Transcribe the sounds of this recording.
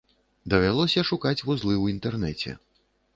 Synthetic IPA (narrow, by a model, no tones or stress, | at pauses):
d̪ɐvʲalˠɔsʲɐʂukat͡sʲvuzlˠɨwint̪ɛrnɛt͡sʲɛ̰